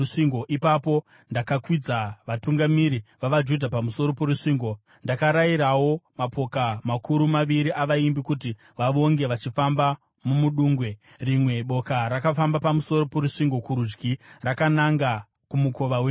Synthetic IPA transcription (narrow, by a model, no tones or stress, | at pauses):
uʂiŋɡoʔipapo̞ | ndakakwid͡zaʋatuŋɡamiɾiʋaʋad͡ʒudʱapamuso̞ɾo̞poɾuʂiːŋɡo̞ | ndakaɾaiɾawo̞mapo̞kamakuɾumaʋiɾiʔaʋaimbikut̬i | ʋaʋo̞ŋɡe̞ʋat͡ʃifamba | mumuɗuːŋɡwe̞ | rimwe̞ɓo̞kaɾakafambapamuso̞ɾo̞poɾuʂiŋɡo̞kuɾud͡ʒɡʱirakanaŋɡa | kumuko̞ʋawe